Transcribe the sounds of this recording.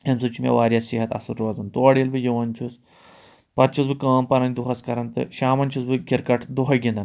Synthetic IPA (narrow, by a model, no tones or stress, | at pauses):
hɐnsut͡ʃʰimʲɐ̰ʋaːɾʲjasiɦɐt̪ɐ̰suɾoːzɐnt̪oɐɽilbɨjiʋɐnʲt͡ʃʰus | pɐt̪̚t͡ʃʰusbɨkaːmpɐɾɐnʲd̪uɦɐskɐɾɐnt̪ɨ̰ʃaːmɐnʲt͡ʃʰusbɨɡʲiɾkɐʈʰd̪uɦɐɡʲind̪ɐn